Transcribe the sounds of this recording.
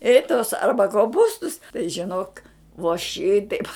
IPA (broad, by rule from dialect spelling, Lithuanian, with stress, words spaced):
ɪ toːs ˈɐrbɐ koːˈpuːstʊs tɐɪ ʒʲɪˈnoːk ʋoː ˈʃʲɪtɐɪp